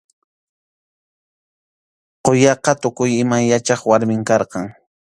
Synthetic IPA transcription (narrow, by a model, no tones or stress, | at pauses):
qojɑqɑt̪ʊkʊjɪmajat͡ʃɑχwaɾmɪŋkɑɾqɑŋ